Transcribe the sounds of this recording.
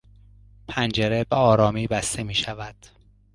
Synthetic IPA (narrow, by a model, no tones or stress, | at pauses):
pʰænd͡ʒe̞ɾe̞beɒːɾɒːmiːbæst̪e̞miːʃævæd̪̥